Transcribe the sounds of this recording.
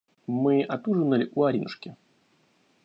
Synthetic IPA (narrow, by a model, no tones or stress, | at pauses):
mɨʔat̪uʐɨnːɐlʲiʔuaɾʲinuʂkʲɪ